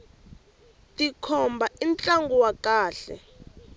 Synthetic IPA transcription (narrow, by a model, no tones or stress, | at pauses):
tikʰɔmbʱaint͡ɬʼaŋɡuwakaːɬɛ̰